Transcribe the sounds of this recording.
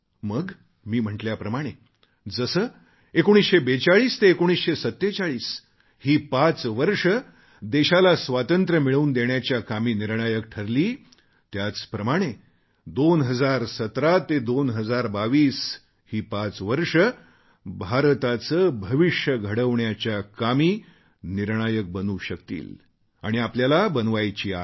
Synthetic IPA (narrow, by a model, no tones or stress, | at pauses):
məɡ | miːm̤əɳʈljapɾəmaɽ̃e | d͡zəsəː | ekoɽ̃isɕebet͡saɭiːst̪eːkoɽ̃isɕesət̪ːet͡saɭiːs | hiːpat͡sʋəɾʂə | d̪eɕalasʋat̪ənt̪ɾəmiɭəuːnd̪eɳjat͡ɕjakamiːniɾɳajək̚ʈʰəɾliː | t̪jat͡spɾəmaɽ̃e | d̪onɦəd͡zaɾsət̪ɾat̪ed̪onɦəd͡zaɾbaʋiːs | hiːpat͡sʋəɾʂə | bʱaɾt̪at͡səbʱəʋiʂjəɡʱəɽəʋɳjat͡ɕjakamiː | niɾɳ̃ajək̚bənuːɕəkt̪ḭːl | aɽ̃iapljalabənʋajt͡ɕiːa̰